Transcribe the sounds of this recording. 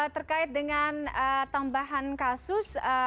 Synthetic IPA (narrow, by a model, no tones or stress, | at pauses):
t̪ərkaɪt̪̚dəŋanət̪ambaɦankasʊsə